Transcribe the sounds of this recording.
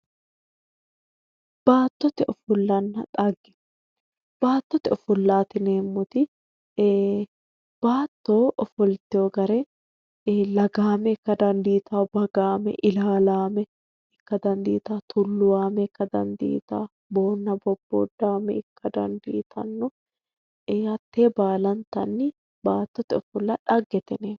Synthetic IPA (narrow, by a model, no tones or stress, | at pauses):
b̥aːt̪ːɔt̪ɛʔɔfʊlːɐnːɐᶑ̪ʼɐɡːɪ̥ | b̥aːt̪ːɔt̪ɛɔfʊlːaːt̪ɪneːmːʊt̪ɪ | b̥aːt̪ːoːʔɔfʊlt̪ɛɔɡɐɾɛ | lɐɡaːmɛɪkːɐd̪ɐnd̪iːt̪aːbɐɡaːmɛ̰ʔɪlaːlaːmɛ | ɪkːɐd̪ɐnd̪iːt̪aːt̪ʰʊlːʊwaːmɛɪkːɐd̪ɐ̰nd̪ḭːt̪aː | bo̞ːnːɐbɔbːo̰ːd̪ːaːmɛɪkʰːɐd̪ɐ̰nd̪ḭːt̪ʰɐnːʊ | hɐt̪ːeːbaːlɐnt̪ɐnːɪ | baːt̪ːɔt̪ɪɔfʊlːaːᶑɐɡːɛt̪ɪneːm